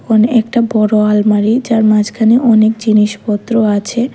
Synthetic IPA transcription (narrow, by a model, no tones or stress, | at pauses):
kʰonɛkʈabɔɽoalmaɾid͡ʑaɾmad͡ʑkʰaneʔɔnekd͡ʑiniʃpɔt̪ːɾoat͡ɕʰe